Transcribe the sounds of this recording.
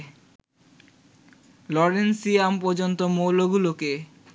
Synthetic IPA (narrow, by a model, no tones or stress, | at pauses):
lɔɾensiampɔɾd͡ʑont̪omowloɡuloke